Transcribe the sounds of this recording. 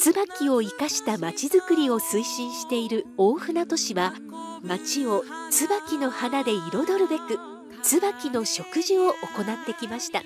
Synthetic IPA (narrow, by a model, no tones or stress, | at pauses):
t͡sɨbakʲio̞ikaɕi̥t̪amat͡ɕizɨkɯ̟ɾʲio̞sɨiɕĩɰ̃ɕi̥t̪e̞iɾɯ̟oːɸɯ̟nat̪o̞ɕiβa | mat͡ɕio̞t͡sɨbakʲino̞hanad̪e̞iɾo̞d̪o̞ɾɯ̟be̞kɯ̟ | t͡sɨbakʲino̞ɕo̞kɯ̟ʑio̞ʔoko̞nat̪ːe̞kʲimaɕi̥t̪a̰